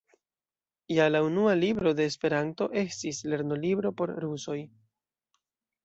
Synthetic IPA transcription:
jalaunualibɾo̞de̞ːspe̞ɾanto̞ʔe̞stisle̞ɾno̞libɾo̞po̞ɾɾuso̞j

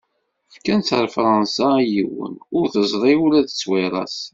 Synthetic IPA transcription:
fkænθəɾfɾˤɑnsajiwə̰nʊɾθəzˤðˤiulæðt͡sːweɾˤɑ̰s

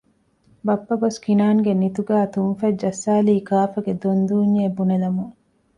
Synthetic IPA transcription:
bɐpːɐɡoskinaːŋɡenit̪uɡæːt̪unfɐd͡ʒɐsːaːliːkaːfɐɡed̪ond̪uːɲːeːbunelɐmuŋ

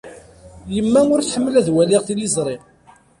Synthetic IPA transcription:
jəmːæʊɾθħəmːəlæðwæliʁθilizˤɾˤeʁ

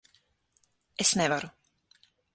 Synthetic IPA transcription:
ʔɛsnɛvaɾʊ

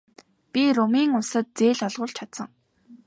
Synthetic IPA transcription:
pʲirʊmiːŋʊsə̆t̪̚t͡seːɮɔɮʁʊ̆ːɮt͡ɕʰat̪sə̆ŋ

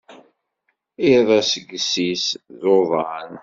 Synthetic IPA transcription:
ɪðˤæsəɡsisðoðˤɑn

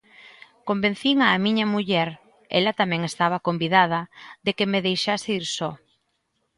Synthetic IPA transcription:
kombẽn̟θiŋaːmĩɲɐmuʎɛɾ | ɛ̰lɐt̪amɛ̃ŋest̪aβɐkombiðað̞ɐðekemeðejʃaseiɾsɔ

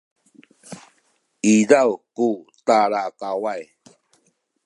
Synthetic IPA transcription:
izawkutaɾakawaj

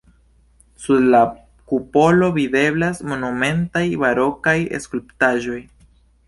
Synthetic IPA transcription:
suɾla | kupo̞lo̞vide̞blasmo̞nume̞ntajbaɾo̞kajḛskulptaʒo̞j

